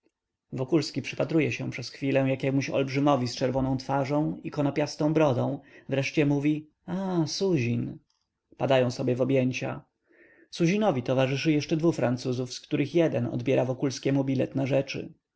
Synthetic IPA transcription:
vɔkulskʲipʂɘpat̪ɾujɛɕɛ̃pʂɛsxfʲilɛw̃jakʲɛmuɕɔ̰lbʐɘmɔvʲist͡ʂɛɾvɔnɔ̃w̃t̪faʐɔ̃w̃ikɔnɔpʲjast̪ɔ̃w̃bɾɔd̪ɔ̃w̃vɾɛʂt͡ɕɛmuvʲi | asuʑin | pad̪ajɔ̃w̃sɔbʲjɛvɔbjeɲt͡ɕa̰ | suʑinɔvʲit̪ɔvaʐɘʂɘjɛʂt͡ʂɛd̪vufɾant̪suzufskt̪uɾɘxjɛd̪ɛnɔ̰d̪bʲjɛɾavɔkulskʲɛmubʲilɛ̰t̪naʐɛt͡ʂɘ̰

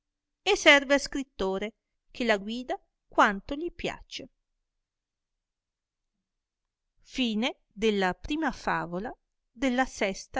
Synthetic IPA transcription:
esɛrveaskɾit̪ːoːɾe | k̟ʰelaɡwiːd̪a | kwant̪oʎipja̰t͡ʃe | fiːne | d̪elːapɾiːmafaːvola | d̪elːasɛst̪a

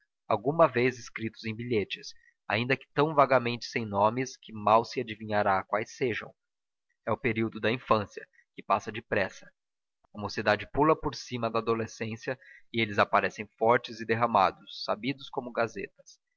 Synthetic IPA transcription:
awɡũmɐvezɪskɾit̪ʊzẽj̃biʎet͡ʃɪs | a̰ĩnd̪ɐkɪ̥t̪ɐ̃w̃vaɡɐmẽnt͡ʃɪ̥sẽj̃nõmɪskɪmawsɪad͡ʒivĩɲaɾakwajsːeʒɐ̰̃w̃ | ɛʊpeɾiwd̪ʊd̪ɐĩfɐ̃siɐ | kɪpasɐd͡ʒɪpɾɛsɐ̥ | ɐmosɪd̪ad͡ʒɪpulɐpoɾsĩmɐd̪ɐːd̪olesẽsjɐɪelɪzapaɾɛsẽj̃fɔɾt͡ʃɪzɪd̪eɦɐ̃ma̰d̪ʊsːa̰bid̪ʊskõmʊɡazet̪ɐ̥s

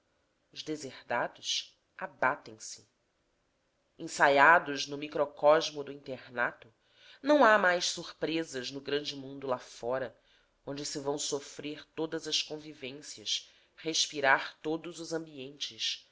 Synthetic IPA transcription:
ʊʒd̪ezehd̪ad̪ʊs | abat̪ẽj̃sɪ̥ | ẽsajad̪ʊʒnʊmikɾokɔʒmʊd̪ʊĩnt̪eɾnat̪ʊ | nɐ̃w̃amajʃsuɾpɾezɐznʊɡɾɐ̃nd͡ʒɪmũnd̪ʊlafɔɾɐ | õnd͡ʒɪsɪvɐ̃w̃sofɾeɾt̪od̪ɐzɐskõvivẽsiɐʃ | heʃpiɾaɾt̪od̪ʊzʊzɐ̃mbiẽnt͡ʃɪs

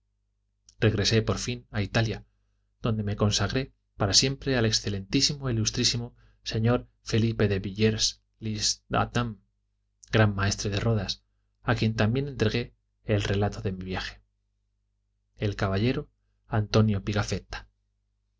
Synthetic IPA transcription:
r̥e̞ɣɾe̞se̞po̞ɾfinait̪alja | ð̥o̞nd̪e̞me̞ko̞nsaɣɾe̞ | paɾasje̞mpɾe̞ale̞ksθe̞le̞nt̪isimo̞ilust̪ɾisimo̞ | se̞ɲo̞ɾ | fe̞lipe̞ðe̞βiʎeɾs | lisd̪a̰t̪am | ɡɾamːae̞st̪ɾeðe̞ro̞ðas | akje̞nt̪ambje̞ne̞nt̪ɾe̞ɣe̞ː | lre̞lat̪o̞ðe̞miβjaxe̥ | elkaβaʎe̞ɾo̞ | ant̪o̞njo̞piɣafe̞t̪ḁ

